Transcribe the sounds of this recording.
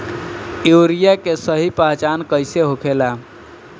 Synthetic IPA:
juːɾijakesəɦipaɦt͡ʃankəɪseɦokʰela

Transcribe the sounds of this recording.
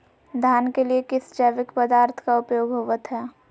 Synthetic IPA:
d̪ʱjaːnkeliekɪsd͡ʒɐʋɪkpəd̪aːɾt̪ʰkaʊpjoːɡɦoːʋət̪ɦɛː

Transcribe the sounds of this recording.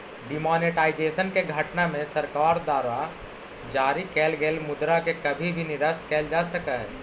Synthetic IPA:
ɖɪmɔːneʈaːɪd͡ʒeːʃənkeɡʱɐʈnamẽsɐɾkaːɾd̪aːɾa | d͡ʒaːɾikɛːlɡeːlmʊd̪ɾakekɐbʱibʱinɪɾəʃt̪kɛːld͡ʒaːsəkaɦɛː

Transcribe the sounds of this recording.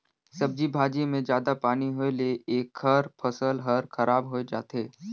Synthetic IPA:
sɐb̚d͡ʒibʱaːd͡ʒemẽd͡ʒjaːd̪apaːniɦoeleeːkʰːɐɾpʰɐsəlɦɐɾkʰɐɾaːbɦoed͡ʒa̰ːt̪eː

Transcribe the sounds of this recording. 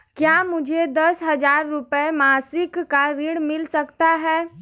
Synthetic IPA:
kjaːmʊd͡ʒʱed̪ɐsɦəd͡ʒaːɾːʊpəemaːsɪkːaɾiɽmɪlsəkt̪aɦɛː

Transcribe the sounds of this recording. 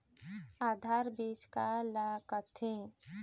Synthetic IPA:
aːd̪ʱaːɾbiːt͡ʃkalaːkət̪ʰẽ

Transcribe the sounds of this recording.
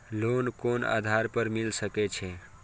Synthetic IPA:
lonkona̰d̪ʱaɾpəɾmilsəket͡ʃʰɛ

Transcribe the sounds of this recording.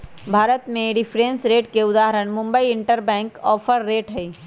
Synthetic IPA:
bʱaːɾət̪mẽɖɪpʰɾẽːnsɾeːʈkeʊd̪aːɦəɾəɽ̃mʊ̃mbəiɪɳʈəɾbɛ̃ːŋkɔːpʰəɾːeːʈɦɛiː

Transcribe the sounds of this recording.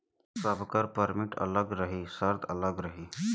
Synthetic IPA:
səbkəɾpəɾmɪʈɐ̰ləɡɾəɦisəɾt̪ələɡɾəɦi

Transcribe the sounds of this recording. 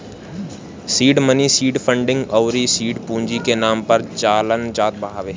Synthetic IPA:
siːɖmənisiːɖpʰə̃ɳɖɪ̃ŋɡəʊɾisiːɖpũːɲd͡ʒikenaːmpɐɾt͡ʃaːlənd͡ʒaːt̪̚bəɦaːʋeː

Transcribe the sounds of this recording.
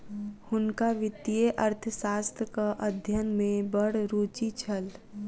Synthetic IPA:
hʊnkaʋɪt̪ieʔəɾt̪ʰəsaːst̪ʰəkaʔəd̪ʱjənmẽbəɽ̤ɾuːt͡ʃit͡ʃʰəl

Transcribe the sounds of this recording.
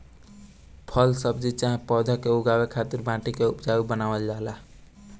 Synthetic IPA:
pʰəlsəbd͡ʒit͡ʃaɦẽpɔd̪ʱakeuɡawekʰat̪iɾbãʈikeupd͡ʒaibənaːwəld͡ʒaɦla

